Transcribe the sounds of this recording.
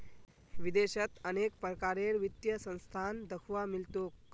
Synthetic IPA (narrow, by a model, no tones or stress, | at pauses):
ʋid̪eɕət̪ənekpɾəkaɾeɾʋit̪jəsə̃w̃st̪ʰand̪əkʰʋamilt̪ok